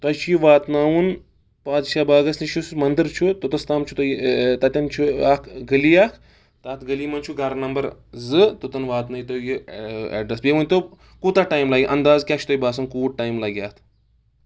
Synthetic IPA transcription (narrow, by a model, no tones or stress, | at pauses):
t̪ɐjt͡ʃʰujiʋaːt̪naːwun | paːd͡zʃabaːɡɐsniʃʰusmɐnd̪əɾt͡ʃʰut̪ut̪ɐst̪aːmt͡ʃʰu̥t̪ɐjt̪ɐt̪ʲɐnt͡ʃʰuakʰɡɐliaːkʰ | t̪aːt̪ʰɡɐliːmɐnt͡ʃʰuɡaɾnɐmbɐɾzɨt̪ut̪ɐnʋaːt̪nɐjit̪ojjiɛ̰ɖɾɐsbʲemɐnʲt̪o | kuːt̪aʈaːjmlaːɡʲiʔɐnd̪aːzkʲaːt͡ʃʰu̥t̪ojbaːsɐnkuːʈʈaːjmlaɡʲjaːt̪ʰ